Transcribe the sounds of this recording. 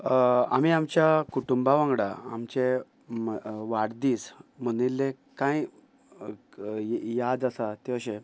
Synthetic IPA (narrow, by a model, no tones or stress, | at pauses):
a̰m̤iamt͡ɕjakuʈumbaʋãŋɡɽa̰a̰mt͡ɕe | ʋaɽd̪iːsm̤əñilːe | kãj | jad̪asat̪eəɕe